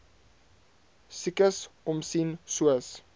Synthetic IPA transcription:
sikəsɔmsinsuəs

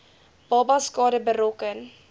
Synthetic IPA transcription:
b̥ɑbɑskɑːdəbəɾɔkən

